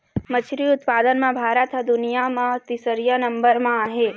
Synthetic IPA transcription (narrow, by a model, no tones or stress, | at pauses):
mət͡ʃʰɾiʊt̪paːd̪ənmãbʱaːɾət̪d̪ʊnijamãt̪isəɾjanɐ̃mbəɾmãɦeː